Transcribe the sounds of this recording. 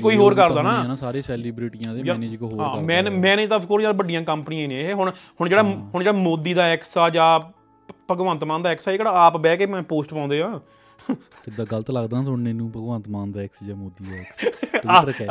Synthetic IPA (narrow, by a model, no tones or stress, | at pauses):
koːiːɦoːɾkəɾd̪aːnãːnãːsaːɾeːsɛːliːbɾiːʈijãːd̪eːaːneːd͡ʒkoɦoːɦaɾ̃ːmɛ̃ːnmɛːneːd͡ʒt̪aəpʰkoːɾjãːbəɖɪjãːkəmpnijãːñːɦeɦʊɳhʊɳd͡ʒeːɽaːɦʊɳd͡ʒeːɽaːmoːd̪iːd̪aːɛːksaːd͡ʒaː | pəɡʋãːnt̪mãːnd̪aːɛːksaːeːkɽaːaːpbɛːkeːmɛ̃ːpoːsʈpãːnd̪eːɦãː | ɪd̪aːɡəlt̪ləɡd̪ãːsʊɽneːnũːpəɡʋãːnt̪maːnd̪aːɛksd͡ʒaːmoːd̪iːd̪aksɾkɛː